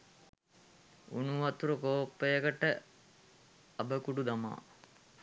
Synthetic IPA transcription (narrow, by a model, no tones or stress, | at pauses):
ṵnuʋɐt̪uɾəkoːpːəjəkəʈə | ɐbəkuɖud̪ama̰ː